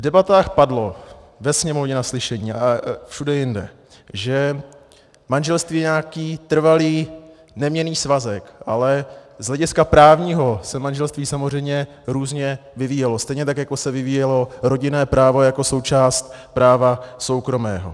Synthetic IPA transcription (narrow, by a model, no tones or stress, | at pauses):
vdɛbat̪aːxpadlo̞vɛsɲɛmo̞vɲɛnaslɪʃɛɲiːʔafʃudɛjɪndɛ̰ | ʒɛ | manʒɛlst̪viːjɛɲaːkiːt̪r̩valiː | nɛmɲɛniːsvazɛkʔalɛzɦlɛɟɪskapɾaːvɲiːɦo̞sɛmanʒɛlst̪viːsamozr̝ɛjmɲɛ | ɾuːzɲɛvɪviːjɛlo̞st̪ɛjɲɛt̪akjako̞sɛvɪviːjɛlo̞ɾo̞ɟɪnɛːpɾaːvo̞jako̞so̞wt͡ʃaːst̪̚pɾaːvaso̞wkɾo̞mɛːɦo̞̰